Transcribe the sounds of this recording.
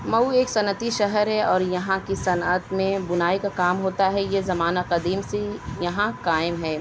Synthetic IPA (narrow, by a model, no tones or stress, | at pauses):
mɐueːksɐnət̪iʃɐɦəɾɦɛɔːɾjɐɦãkisɐnət̪mẽbʊnaːikakaːmɦoːt̪aɦɛjezɐmaːnaqɐd̪iːmsejɐɦãkaːɪmɦɛː